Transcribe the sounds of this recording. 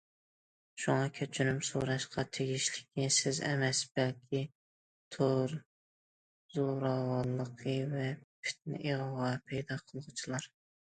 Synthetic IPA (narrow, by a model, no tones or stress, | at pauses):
ʃuŋɑkʲʰøt͡ʃʰynymsṵɾɑʃqʰɑt̪ʰeɡʲiʃlɪ̥kʲɪsɪzɛ̰mɛsb̥ɛlkʲʰi | t̪ʰoɾ | z̥oɾɑwɑlˠːəqʰəvɛpʰɪ̥t̪̚nɪ̰ʔeʁəʁɑpʰɛjd̪ɑqʰəlˠʁʊt͡ʃʰilˠɑɾ